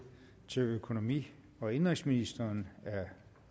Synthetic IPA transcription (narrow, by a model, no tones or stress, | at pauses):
t͡sʰe̝løkʰo̝no̝mḭː | ɒ̽e̝nʁɛŋsminisd̥ɐːnæɐ